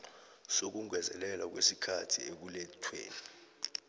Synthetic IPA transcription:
sok̬uŋwɛzɛ̰lɛlwak̬wesikʰatʰiek̬ulɛtʰwḛːni

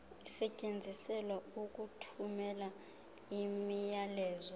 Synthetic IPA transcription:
isɛcʼend͡zʱisɛlwauk̬ʼutʰumɛla | imijalɛːzɔ

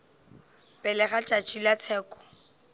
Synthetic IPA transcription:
pʼɛlɛχat͡ʃʼat͡ʃʼilat͡sʰɛːkʼɔ̥

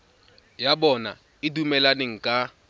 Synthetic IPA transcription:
jabɔna̰ | ɪdumɛlaneŋ̩kʼa

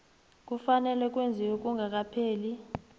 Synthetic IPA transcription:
k̬ʼufanɛlɛk̬ʼwend͡zʱiwɛk̬ʼuŋak̬ʼapʰeːli

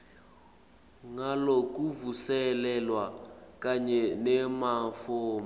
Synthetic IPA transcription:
ŋalɔkʼuvusɛlɛlwakʼaɲɛnɛmafoːma

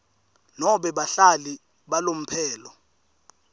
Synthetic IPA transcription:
nɔɓɛɓaɬali | ɓalom̩pʰɛːlɔ

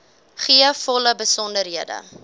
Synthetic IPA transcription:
χiəfɔləbəsɔndəɾɦiədə̰

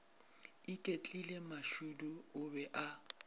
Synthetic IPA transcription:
ikʼet͡ɬʼilemaʃuduʊbɛʔa

